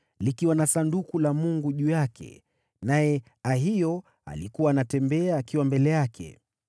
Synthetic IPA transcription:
likiwanasandukulamuŋɡuʄuːjakʰɛ̰ | najɛ | aɦijɔ | a̰likuwaːnatɛmbɛaːkiwambɛlɛjakʰɛ̰

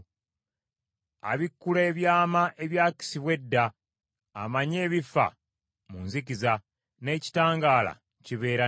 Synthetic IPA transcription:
a̰βikːuleːβjaːmaʔe̞βjaːci̥siβwe̞dːaː | maɲe̞ːβifa̰ | munzikiza | ne̞ci̥taːŋɡaːla̰ | ciβe̞ːɾa

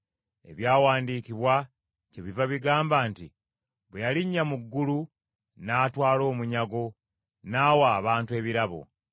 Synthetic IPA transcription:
e̞̰βjaːwaːndiːkiβwa | ceβivaβiɡaːmbaːntḭ | βejaliɲːamuɡːulu | naːtwaːlo̞ːmuɲaɡo̞ | naːwaːβaːntue̞ːβiɾaβo̞̰

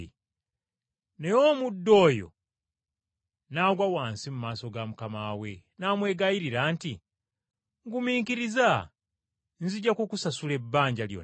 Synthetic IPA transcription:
ne̞joːmudːo̞ːjo̞̰ | naːɡwawaːnsimumaːso̞ɡamukamaːwe̞naːmwe̞ːɡajiɾiɾaːnti | ŋɡumiːŋkiɾiza | nziɟakukusasule̞bːaːɲɟaljo̰n

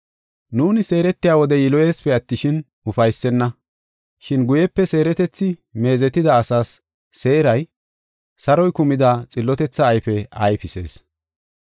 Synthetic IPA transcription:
nuːnɪse̞ːɾɛt̪ːɪjaːwɔd̪ɛjɪlɔje̞ːspɛɐt̪ːɪʃɪn | ʊfɐjsːɛnːɐ | ʃɪnɡʊjɛpːɛse̞ːɾɛt̪ɛt͡sːɪme̞ːzɛt̪ːɪd̪ɐːsaːsː | e̞ːɾɐj | sɐɾɔjkʊmɪd̪ɐt͡sʼɪlːɔt̪ɛt͡sːɐːjfɛɐjfɪse̞̰ːs

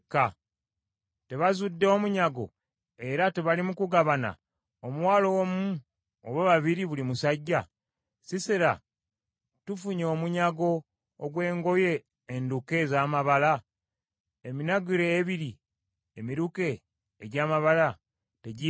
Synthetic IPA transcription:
kːa | te̞βazudːeomuɲaɡo̞̰ | e̞ɾate̞βalimukuɡaβana̰ | omuwaːlo̞womu | oβaβaβiɾiβulimusaɟːa | sisiɾa | tufuɲo̞ːmuɲaɡo̞ː | ɡwe̞ːŋɡo̞je̞ː | nduke̞zaːmaβala | eminaɡuɾeːβiɾi | emiɾuke̞ː | ɟaːmaβala | te̞ɟi

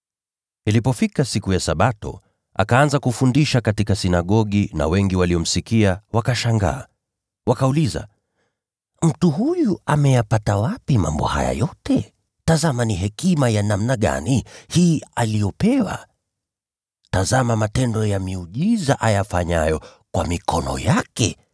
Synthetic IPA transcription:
ilipɔfikasikujasaɓatɔ̰ | a̰kaanzakufundiʃakatikasinaɠɔɠina̰wɛŋɡiwaliɔm̩sikiawakaʃaŋɡa̰ː | wakauliza̰ | m̩tuhujuamɛjapatawapima̰mbɔ̰ha̰ja̰jɔtɛ | tazamaniɦɛkimajanamnaɠa̰nihiːalijɔpɛwa̰ | tazamamatɛndɔjamiuʄizaʔajafaɲajɔkwamikʰɔnɔ̰jakɛ

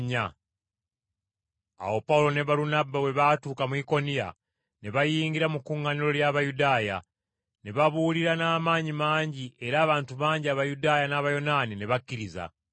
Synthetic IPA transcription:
ɲa | a̰wo̞paulo̞ne̞βaɾunabawe̞βatuːkamuiko̞nija̰ | ne̞βajiːŋɡiɾamukːuŋːaniɾo̞ljaːβajudaːja̰ | ne̞βaβuːliɾanaːmaːɲimaːɲɟiʔe̞ɾaːβaːntuβaːɲɟiaβajudaːjanaːβajo̞nanineβakːiɾiza̰

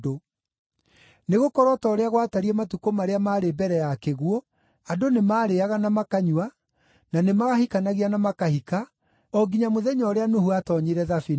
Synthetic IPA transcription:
do | neɣokɔɾɔtɔɾeaɣwataɾiɛmatukomaɾeamaːɾebɛɾɛjakeɣwɔ | adonemaːɾeaɣanamakaɲwa | nanemaɣahikanaɣianamakahika | ɔɡiɲamoðɛɲɔːɾeanohuatɔɲeɾɛðafi

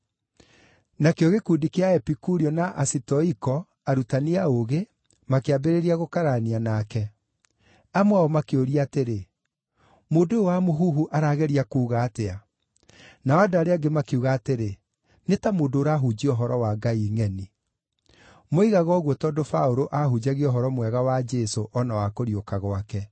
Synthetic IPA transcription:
nakeɔɣekudikeaɛpikuɾiɔnaʔasitɔikɔ | aɾutaniaoɣe | makeabeɾeɾiaɣokaɾanianakɛ | amwaɔmakeoɾiaːteɾe | moːdowamoɦuɦuʔaɾaːɣɛɾiakuːɣaːtea | naadoaɾeaɡemakeuɣaːteɾe | netamoːdoːɾaɦud͡ʑiɔɦɔɾɔwaɡaiŋɛni | moiɣaɣɔːɣwɔtɔːdofaoɾoʔahud͡ʑaɣiɔɦɔɾɔmwɛɣawad͡ʒesoʔɔnawakoɾjokaɣwakɛ

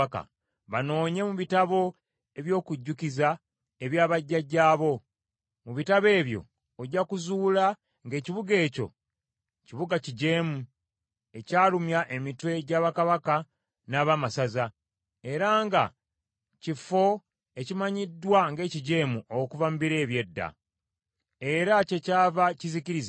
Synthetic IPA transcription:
ka̰ | βano̞ːɲe̞muβitaβo̞ | e̞βjo̞ːkuɟːukiza | e̞βjaːβaɟːaɟaːβo̞ | muβitaβe̞ːβjo̞̰ | oɟːakuzuːla | ŋɡe̞ːciβuɡe̞ːco̞̰ | ciβuɡaciɟe̞ːmu | e̞caːlumjaʔe̞mitwe̞ɟaːβakaβaka | naːβamasaza | e̞ɾaːŋɡa̰ | cifo̞ | e̞cimaɲidːwaŋɡe̞ːciɟe̞ːmuʔokuvamubiɾe̞ːβje̞dːa̰ | e̞ɾace̞caːvaciziciɾiz

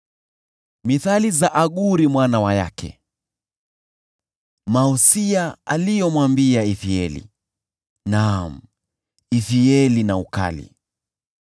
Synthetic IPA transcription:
miθalizaʔaɠuɾimwanawaja̰kʰɛ̰ | mausiaalijɔmwambiaiθiɛ̰lḭ | nam̩ | ifiɛlinauka̰lḭ

